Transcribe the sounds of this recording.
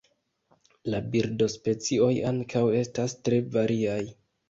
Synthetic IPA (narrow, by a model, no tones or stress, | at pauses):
labiɾdo̞spe̞t͡sio̞jaŋkʰawe̞stastɾe̞vaɾiaj